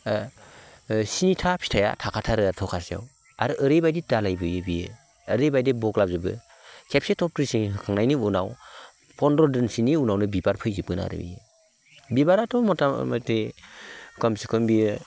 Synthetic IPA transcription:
sinitʰapʰi̥tʰaja̰tʰakʰatʰaɾɯaɾtʰɔkʰasija̰w | aɾɯʔɯɾejbajdidalajbɯjɯbiɯː | ɾɯjbajdebɔklap̚zɯbɯ̰ | kʰepsetʰɔp̚kɾisiŋɦɯkʰaŋnajniunaw | pʰɔndɔdɯnsiniunawnɯbibaɾpʰɯjzip̚ɡɯna̰ɾɯ̰bḭjɯ | bibaɾatʰɔmɔtama̰te | kɔmsikʰɯmbiɯ

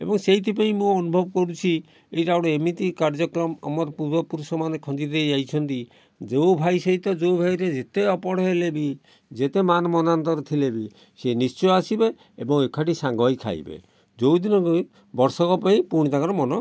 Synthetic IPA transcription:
ḛbɔŋseɦit̪ʰip̬aĩmũɔnubʱɔbɔkɔɾut͡ʃʰi | ejʈawɽɔemit̪ikaɾd͡ʒɔkɾɔmɔ̰mɔɾpuɾbɔpuɾusɔmanekʰɔd͡ʒid̪ejd͡ʒajt͡ʃʰɔnt̪i | d͡ʒewbʱajseɦit̪ɔd͡ʒowbʱajɾed͡ʒet̪eɔpɔɽ̤ɔelebi | d͡ʒet̪emanɔmɔnant̪ɔɾt̪ʰilebi | senist͡ʃɔasibe | ebɔŋekʰaʈisaŋɡɔjkʰa̰j̰bḛ | d͡ʒowd̪inɔk | bɔɾsɔkɔpaĩpuɽ̃it̪akaɾɔmɔnɔ

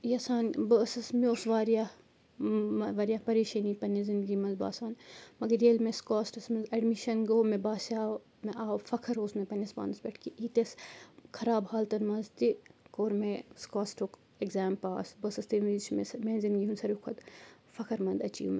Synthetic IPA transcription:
jɐsaːnbəːsɐsmeoːsʋaːɾija | ɐʋɐɾjaːpɐɾiːʃɐnipɐnezind̪ɡimɐnzba̰ːsaːnmɐɡɐɾeːlmeskaːsʈɐsmɐnzɐɖmiʃɐnɡoːmẽbaːsaː | meʔaːwfɐkʰɐɾoːsmẽpɐnɐspa̰ːnɐsbʲɐʈʰkiʔiːt̪eskʰɐɾaːbhaːlt̪ɐnmɐnzt̪ikoːɾmeskaːsʈok | eɡzaːmpaːsbəːsɐst̪imit͡ʃʰmesɐmẽːnzinɡiːɦunsɐɾukʰɐt̪ | fɐkʰɐɾmɐ̃nd̪ɐt͡ʃḭːme

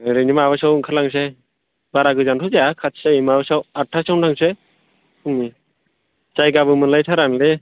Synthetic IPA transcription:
ɾenimaβasawɯŋkʰalaŋs̬e | baɾaɡɯzantʰuzeakʰat̚seimabasawatʰːasawntʰaŋse | kʰɯŋni | t͡ʃajɡabɯmɯnlajtʰaɾanle

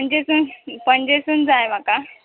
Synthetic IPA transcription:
pəɲd͡ʑesunpəɲd͡ʑesuːnd͡zajm̤aka

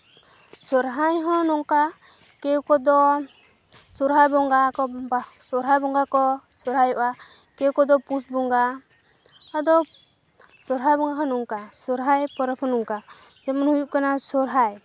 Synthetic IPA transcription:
sɔɾɦajɦɔ̃nɔŋka | kɛwkɔd̪ɔ | sɔɾɦajbɔŋɡakɔbasɔɾɦajbɔŋɡakɔsɔɾɦajɔʔa | kɛwkɔd̪ɔpusbɔŋɡaː | d̪ɔ | sɔɾɦajbɔŋɡaɦɔ̃nɔŋkasɔɾɦajpɔɾɔpʰɔ̃nɔŋka | d͡ʒɛmɔnhujuʔkanasɔɾɦaj

